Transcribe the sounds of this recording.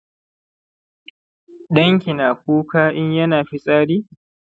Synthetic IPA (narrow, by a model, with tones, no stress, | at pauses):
ɗɐ˦ŋkʲi˨naː˨kʷuː˦kaː˦ʔɪ˦ɲjɐ˦naː˨ɸi˦sʼaː˦ɽiː˦